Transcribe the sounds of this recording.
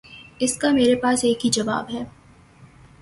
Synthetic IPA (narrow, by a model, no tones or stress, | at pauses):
ɪskameːɾepaːseːkɦid͡ʒɐʋa̰ːbɦɛː